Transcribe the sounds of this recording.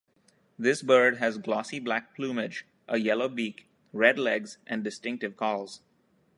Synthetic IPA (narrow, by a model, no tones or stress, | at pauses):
d̪ɪsbəɾɖɦæzɡlɔsiblæk̚pʰlũːmɪd͡ʒ | ʔəjɛloʊbiːk | ɾɛɖlɛɡzʔæ̃nɖɪsʈɪ̃ŋk̚ʈɪʋkʰɔːlz̥